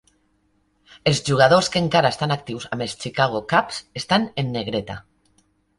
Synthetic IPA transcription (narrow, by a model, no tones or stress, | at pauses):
elzʒuɣ̞að̞oskeŋkaɾaest̪anak̚t̪iwsamest͡ʃikaɣ̞okapsest̪anenːeɣ̞ɾet̪a̰